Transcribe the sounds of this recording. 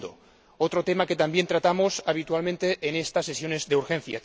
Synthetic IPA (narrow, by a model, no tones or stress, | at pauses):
d̪o | ot̪ɾot̪emaket̪ambje̞nt̪ɾat̪amosaβ̞it̪ualmẽnt̪eʔːnest̪asːesjone̞zðeuɾxẽn̟θja̰